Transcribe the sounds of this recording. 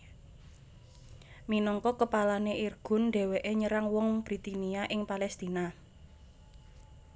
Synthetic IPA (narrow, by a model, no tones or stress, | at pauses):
minɔŋkɔkəpalaneʔirɡ̥ʊ̤nɖɛ̤weʔeɲəɾaŋwɔŋb̥ɾit̪iniaʔɪŋpalɛst̪ina